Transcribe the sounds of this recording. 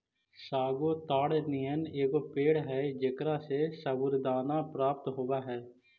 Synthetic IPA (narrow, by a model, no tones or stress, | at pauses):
saːɡoːt̪aːɽnijəneːkoːpeːɽɦɛd͡ʒɪkɾasesəʋʊɾd̪aːnapɾaːp̚t̪ɦoːaːɦɛː